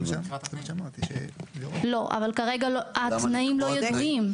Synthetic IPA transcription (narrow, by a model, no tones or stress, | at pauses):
at̪ʃmat̪iḛlo̞ʔa̰valkaʁe̞ɡalat̪naimlo̞jdod̪im